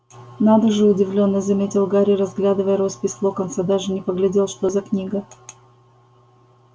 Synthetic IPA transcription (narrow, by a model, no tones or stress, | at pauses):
nad̪əʐɨʊdʲɪvlʲo̞nːəzɐmʲetʲɪlˠɡaɾʲɪrɐzɡlʲad̪ɨvəjəɾospʲɪsʲlˠokɐnsad̪aʐɨnʲɪpəɡlʲɪdʲelˠʂt̪ozɐknʲiɡə